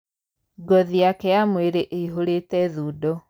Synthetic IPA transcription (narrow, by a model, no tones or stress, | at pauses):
ɡɔðiakɛjamweɾeʔeiɦoɾeːtɛðuːdɔ